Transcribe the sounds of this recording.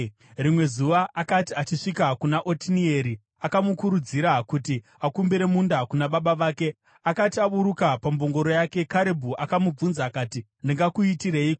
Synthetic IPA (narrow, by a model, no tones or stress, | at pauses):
rimwe̞zuʋaʔːkatiat͡ʃiʂikakunaʔo̞tinie̞ɾi | akamukuɾud͡ziɾakuti | akumbiɾe̞mundakunaɓaɓaʋaːke̞ | akatiaɓuɾukapambo̞ŋɡo̞ɾo̞jake̞kaɾebʱuʔakamub͡vunzaːkaːti | ndiŋɡakuitire̞ik